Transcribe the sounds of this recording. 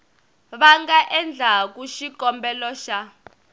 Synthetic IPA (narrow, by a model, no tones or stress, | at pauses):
βaŋɡaʔɛnd͡ɮʱak̬uʃikɔmbɛlɔʃa